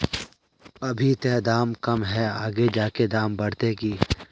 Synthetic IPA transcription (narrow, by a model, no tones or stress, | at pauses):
ɐbʱit̪eːd̪aːmkɐmɦɛaːɡed͡ʒaːked̪aːmbɐɽt̪eːɡiː